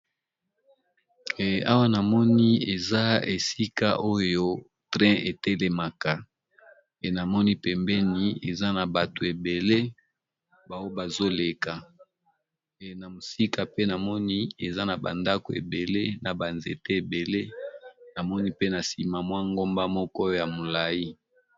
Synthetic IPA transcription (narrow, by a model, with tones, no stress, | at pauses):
a˦wa˦na˨mɔ˦ni˦e˨za˦e˨si˦ka̰˦ʔo˦jo˦ | tʁɛ̃˦e˨te˦le˨ma˨ka˨ | e˨na˨mɔ˦ni˦pɛ˨mbɛ˦ni˨e˨za˦na˨ba˨to˨e˨be˨le˦ | ba˨wo˦ba˨zo˦le˨ka˨ | e˨na˨mo˨si˦ka˨pe˦na˨mɔ˦ni˦e˨za˦na˨ba̰˨nda˦ko˨ḛ˨be˨le˦na˨ba˨nzḛ˨te˦e˨be˨le˦na˨mɔ˦ni˦pe˦na˨si˨ma˨mwa˦ŋɡo˦mba˦mɔ˦kɔ˦jo˦ja˨mo˨la˨ji˦